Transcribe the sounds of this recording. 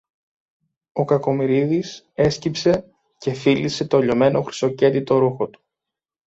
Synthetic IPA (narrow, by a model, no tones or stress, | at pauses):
o̞kɐko̞miɾiðis | e̞scipse̞ | ce̞filise̞t̪oʎo̞me̞no̞xɾi̥so̞ce̞t̪it̪o̞ɾuxo̞t̪u̥